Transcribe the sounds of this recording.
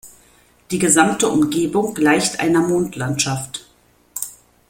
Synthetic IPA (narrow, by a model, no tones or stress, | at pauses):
d̥iːɡəzamtəʔʊmɡeːbʊŋɡlaɪçtʔa̰ɪnɐmoːntʰlantʃaft